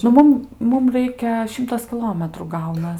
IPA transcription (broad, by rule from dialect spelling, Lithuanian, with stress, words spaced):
nʊ ˈmʊm ˈmʊm ˈrɐɪkʲɛ ˈʃʲɪmtɐs kʲɪˈlˠoːmʲɛtruː ˈɡɐʊnɐs